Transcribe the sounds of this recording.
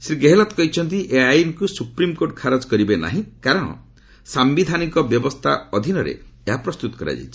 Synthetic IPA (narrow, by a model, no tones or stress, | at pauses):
sɾiɡeɦelɔt̪kɔɦit͡ʃʰɔnt̪̬iʔeajinkusupɾimkoɾʈkʰaɾɔd͡ʒkɔɾibena̰ɦĩkaɾɔɽ̃ɔ̰ | sambid̪ʱanikɔbjɔbɔst̪ʰa̰ɔd̪ʱinɔɾḛeɦapɾɔst̪ut̪ɔ̥kɔɾa̰d͡ʒa̰jt͡ʃʰi̥